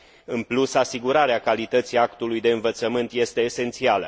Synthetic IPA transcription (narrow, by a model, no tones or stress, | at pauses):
ɨnplusasiɡuɾaɾeakalit̪ət̪siakt̪ulujd̪e̞ɨnvət̪səmɨnt̪je̞st̪e̞ːse̞nt̪sialə̰